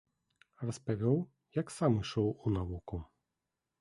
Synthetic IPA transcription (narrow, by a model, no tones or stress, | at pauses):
rɐspaʋʲɔw | jaksamɨʂɔwunavuku